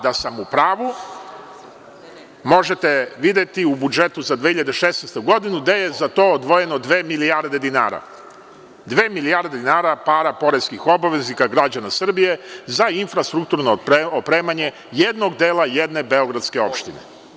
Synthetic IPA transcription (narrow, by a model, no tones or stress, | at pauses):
d̪asamupɾaːʋu | mo̞ʒe̞t̪e̞ʋid̪je̞t̪iubud͡ʒe̞t̪uzad̪ʋehiʎad̪eʃesnejst̪ouɡo̞d̪inud̪aje̞zat̪o̞ːod̪ʋo̞je̞no̞d̪ʋe̞ːmilijaɾd̪e̞d̪inaːɾa̰ | d̪ʋe̞ːmilijaɾd̪ed̪inaːɾapaːɾapo̞ɾeskixo̞baʋe̞znikaɡɾad͡ʑanasr̩bije̞zainfɾast̪ɾukt̪uɾnoopɾe̞ːmaɲe̞ | jed̪no̞ɡd̪e̞ːlaje̞d̪ne̞be̞o̞ɡɾad̪ske̞o̞pʃt̪inḛ